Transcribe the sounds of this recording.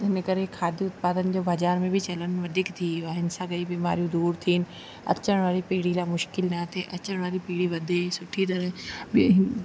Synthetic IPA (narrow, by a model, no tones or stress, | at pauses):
ɪnekəɾekʰːaːd̪iʊt̪̚paːd̪ənd͡ʒoːbʱɐd͡ʒaːɾmẽbʱit͡ʃɐlənʋɐd̪ʱɪkt̪ʰiːʋaɦɪnsaɡɐibima̰ːɾjũd̪uːɾt̪ʰiːn | ɐ̰tːt͡ʃəɽ̃ʋaːɾipiːɽiɾamʊʃkɪlnat̪ʰeʔɐtːt͡ʃəɽ̃ʋaːɾipiːɽiʋɐd̪esʊʈʰːit̪̬ɐɾɛ̃bi